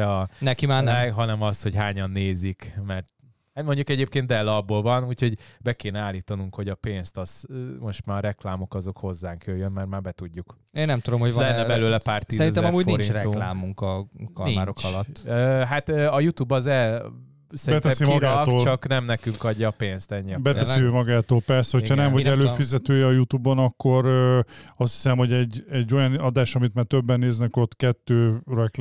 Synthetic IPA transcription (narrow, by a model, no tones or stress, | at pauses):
ɒnɛkimaːnɛɦɒnɛmɒst̪ho̞ɟɦaːɲɒnːeːzikmɛrt̪ | at̪mo̞ɲɟukɛɟeːp̚keːnd̪ɛlːɒbːoːlvɒnuːcho̞ɟbɛkeːnɛaːlːiːt̪ɒnuŋkho̞ɟɒpeːnst̪ɒsmo̞ʃt̪maːɒɾɛklaːmo̞kɒzo̞kho̞zːaːŋkjøːjønmaːrmaːrbɛt̪uɟːuk | eːnːɛmt̪ud̪omhovlɛnːɛbɛløːlɛpaːrt̪iːsɾinɛɛmɔmuːɟnfoɾinɾɛulaːmmuŋkɒkɔaːɾokʰɒlɔt̪ːøɦat̪øːɒjut̪uːbɒzɛl | sɛbɛt̪ɛsimɒɡaːk̪ːlt͡ʃɒknɛmnɛkyŋkɒɟːɒːpeːnst̪ɛɲːibɛt̪ɛssiøːmɒɡaːt̪oːlpɛrsɛho̞hɒnɛmvɒɟɛløːfizɛt̪øːjɛɒjut̪uːbonɒkːo̞ɾøɒst̪hi̥sɛmho̞ɟɛɟːɛɟːo̞jɒnɒd̪aːʃɒmit̪maːrt̪øbːɛnːeːznɛko̞t̪kɛt̪ːøːrɛk